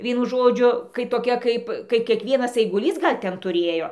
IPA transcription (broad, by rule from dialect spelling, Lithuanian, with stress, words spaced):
ˈʋʲiɛnʊ ˈʒoːd͡ʒʲʊ kɐɪ toːˈkʲɛ ˈkɐɪp kɐɪ kʲiɛkˈʋʲiɛnɐs ɐɪɡʊˈlʲiːs ˈɡɐlʲ ˈtʲɛn tʊˈrʲeːjoː